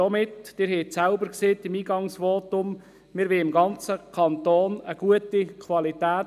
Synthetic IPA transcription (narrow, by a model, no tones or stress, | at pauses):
ɔmɪtd̥ɪːɾɦɛɪtsælbəɾkseːt̪ɪmiːɡɑŋsʋoːtʊm | mɪːɾʋɪɪmɡɑnt͡səkʰɑnt̪oːnəɡ̥uətikʰʋɑlitæː